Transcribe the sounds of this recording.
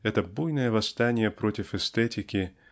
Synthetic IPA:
ɛt̪əbujnəjəvɐst̪anʲɪjəpɾotʲɪfɛst̪ɛtʲɪkʲɪ

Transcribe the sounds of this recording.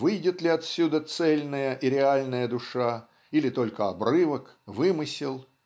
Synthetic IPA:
vɨjdʲɪt̪lʲɪɐt̪sʲud̪ət̪sɛlʲnəjəʔiɾʲɪalʲnəjəd̪ʊʂa | ilʲɪt̪o̞lʲkəɐbrɨvək | vɨmɨsʲɪlˠ

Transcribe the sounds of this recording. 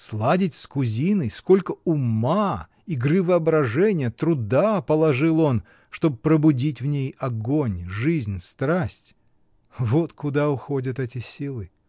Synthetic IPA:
slˠadʲɪtʲskʊzʲinəjsko̞lʲkəʊma | iɡɾɨvəɐbɾɐʐɛnʲɪjət̪ɾʊd̪apəlˠɐʐɨlˠo̞n | ʂt̪o̞bpɾəbʊdʲitʲvnʲejɐɡonʲʐɨzʲnʲst̪ɾasʲtʲ | vo̞t̪kʊd̪aʊxo̞dʲət̪ɛtʲɪsʲilˠɨ

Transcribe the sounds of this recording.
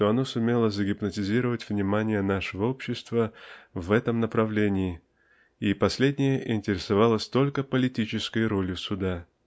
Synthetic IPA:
ʂt̪o̞ɐno̞sʊmʲe̞lˠəzəɡʲɪpnətʲɪzʲiɾəvətʲvnʲɪmanʲɪjənaʂəvəo̞pɕːɪst̪vəvɛt̪əmnəpɾɐvlʲenʲɪː | ipɐsʲlʲedʲnʲɪjəʔɪnʲtʲɪɾʲɪsɐvalˠəsʲt̪o̞lʲkəpəlʲɪtʲit͡ɕɪskəjɾo̞lʲɪsʊd̪a

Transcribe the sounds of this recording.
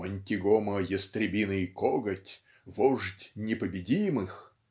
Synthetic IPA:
ɐnʲtʲɪɡɔməjɪst̪ɾʲɪbʲinɨkɔɡətʲ | vɔʐtʲnʲɪpəbʲɪdʲimɨx

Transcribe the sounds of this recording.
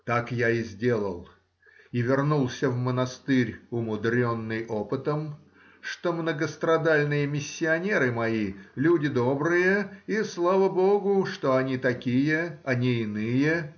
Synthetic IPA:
t̪akjaɪzʲdʲe̞lˠə̰lˠ | ivʲɪrnulˠsʲəvmənɐst̪ɨɾʲʊmʊd̪ɾʲo̞nːɨjʔo̞pɨt̪əm | ʂt̪omnəɡəst̪ɾɐd̪alʲnɨjəmʲɪsʲːɪɐnʲe̞ɾɨmɐilʲudʲɪd̪o̞bɾɨjəislˠavəboɡʊʂt̪oɐnʲit̪ɐkʲijəɐnʲiɪnɨjə

